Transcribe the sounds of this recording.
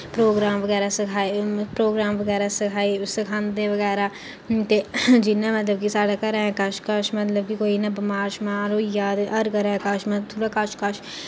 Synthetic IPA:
pɾoːɡɾaːmʋəɡɛːɾaːsəkʰaːipɾoːɡɾaːmʋəɡɛːɾasəkʰaːisɪkʰãːnd̪ẽʋəɡɛːɾaː | t̪eːd͡ʒɪnãmət̪ləbkisaːɽakəɾaɛ̃kəʃkəʃmət̪ləb̚kikoːiːnabɪmaːɾʃmãːɾojaːd̪əɾkəɾɛ̃ːkəʃmãt̪ʰuːɽaːkaʃkəʃ

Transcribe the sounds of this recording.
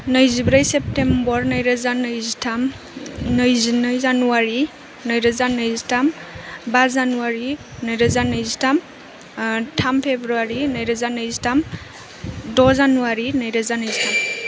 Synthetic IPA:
nɯjzibɾajsep̚tembɔɾnəjɾazanɯjzitʰam | nɯjzinɯjzanuwaɾi | nɯjɾazanɯjzitambazanuwaɾi | nəjɾazanɯjzitʰam | tʰampʰebɾuaɾinəjɾazanɯjzitam | dɔzanuwaɾinəjɾazanɯjzitam

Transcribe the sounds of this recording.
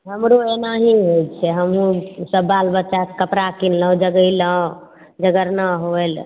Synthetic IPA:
ɦəmɾoenaɦiɦojt͡ʃʰɛɦəmɦũsəbːalbətːt͡ʃaskəpɾakinlə̃d͡ʒəɡəjlə̃ | d͡ʒəɡəɾnaɦoel

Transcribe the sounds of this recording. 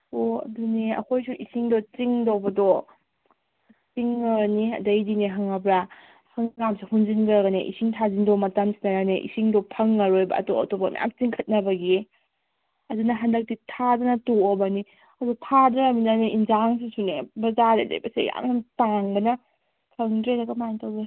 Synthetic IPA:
oɐ̰duniɐ̰kʰojsuʔisiŋdot͡ʃiŋdowbɐdo | t͡ʃiŋːɐɡniɐ̰dɐjdineɦɐŋɐbɾa | hɐŋɡamsihunzinɡɐɡɐneʔḭsiŋtʰazindomɐtamsinɐɾaneʔḭsiŋdɔpʰɐŋːɐɾojbɐ̰ɐ̰toɐ̰tobɐmɐ̰ja̰mt͡ʃiŋkʰɐt̚nɐbɐɡie | ɐdunɐɦandɐk̚titʰadɔnɐtoɔbɐni | ɐdutʰadɾaɐminaneʔinzaŋs̬isunebɐzadḛdɐ̰jbɐsḛja̰ŋamtaŋbɐnɐ | kʰɐŋdɾeɾɐɡɐmajaŋtawɡe

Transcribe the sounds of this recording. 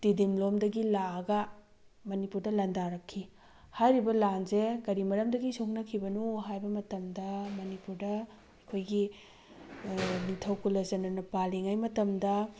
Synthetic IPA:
tidimlomdɐɡilaɐɡɐ | mɐnipuɾdɐlɐndaɾɐkʰːi | hajɾibɐlanzeɡɐɾimɐɾɐmdɐɡisoknɐkʰibɐnuɦajbɐmɐtɐmdɐmɐnipuɾdɐ | ɐkʰojɡi | nitʰɐwkulɐzɐnɐnɐpaliŋajmɐtɐmdɐ

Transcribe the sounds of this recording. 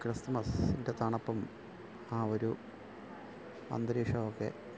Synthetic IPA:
krɐst̪ɐmɐsindet̪aɳɐpːɐm | aːo̞ɾu | ɐ̰nd̪ɐɾiːʂɐʋokːe̞̰

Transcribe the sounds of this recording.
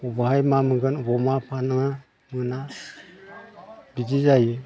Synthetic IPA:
ɔβaɦajmamɯŋɡɯnβɔmapʰanaŋa | mɯna | bid͡ʒizaji

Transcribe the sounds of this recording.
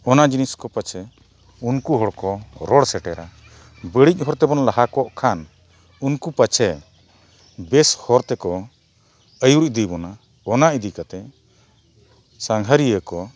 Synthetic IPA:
ɔnad͡ʒiniskɔpət͡ʃʰɛ | unkuɦɔɽkɔɾɔɽsɛʈɛɾa | bəɽic̚ˀɦɔɾt̪ɛbɔnlaɦakɔʔkʰan | unkupət͡ʃʰɛ | bɛshɔɾt̪ɛkɔ | əjuɾc̚d̪ibɔna | ɔnaid̪ikat̪ɛ | saŋɦəɾijəkɔ

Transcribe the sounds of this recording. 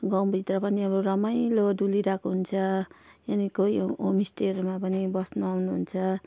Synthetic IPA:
ɡãw̃bʱit̪rʌpʌniʌbɾuɾʌmʌjloduliɾakoɦunt͡sʰʌjanikojomisʈermapʌnibʌsnuawnuɦunt͡sʰʌ

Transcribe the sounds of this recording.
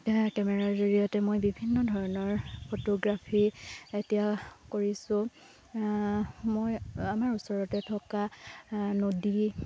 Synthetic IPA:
kɛmɛɹaɹzoɹijɔtɛmojbibʱinːɔdʱɔɹɔnɔɹpʰotoɡɹapʰietijakoɹisʊ̃ | mojamaɹusɔɹɔtɛtʰɔka | nodi

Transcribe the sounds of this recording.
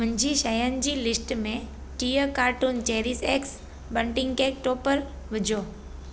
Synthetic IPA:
mʊ̃ɪ̃ɲd͡ʑʱiːʃəjənɪ̆d͡ʑiːlɪsʈmẽ | ʈiːjəkaːɾʈunt͡ɕeːɾɪseːks | bəɳʈɪ̃ŋɡkeːk̚ʈoːpəɾ | ʋɪd͡ʑʱoː

